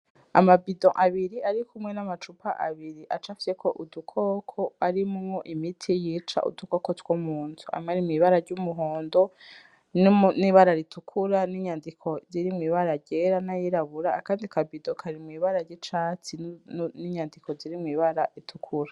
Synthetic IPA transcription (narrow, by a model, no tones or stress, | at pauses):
a̰mabidõʔaβiɾiaɾikumŋe̞namat͡ʃupaʔa̰βiɾiʔat͡ʃafi̥sekʰoʔudukʰo̞ːkʰoaɾimumŋoʔimitʰijiːt͡ʃa̰ʔṵdukokotw̥omuːntʰua̰mŋaɾimŋiːβaɾaɾɟumuɦoːndo̞ | nniβaɾaɾitʰukʰuɾaniɲandikʰo̞ziɾimŋiːβaɾaɟeɾanajiɾaβuɾakaːndikʰabidõkʰaɾimŋiːβaɾaɾɟit͡ʃat͡siniɲandikʰo̞ziɾimŋiːβaɾaɾitʰukʰuɾa